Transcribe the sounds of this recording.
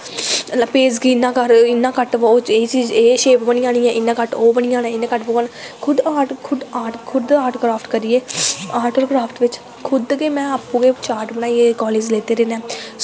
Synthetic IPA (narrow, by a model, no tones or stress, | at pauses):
peːd͡ʒɡiːnːãːkəɾɪnːãːkəʈoːeit͡ʃiːd͡ʒeːʃeːpbəɽiːãːɽiːɛ̃ːʔɪnːãːkəʈoːbəɳɪjãːnɛ̃ːɪnãːkəʈboɡaːnkʰʊd̪aːʈkʰʊd̪aːʈkʰʊd̪aːʈɡɾaːpʰʈkəɾieːaːʈəɾɡɾaːpʰʈʋɪt͡ʃ | kʰʊd̪keːmɛ̃ːaːpũːɡeːt͡ʃaːɾʈbəɽaːieːkɔːleːd͡ʒleːt̪eːɾeːnɛː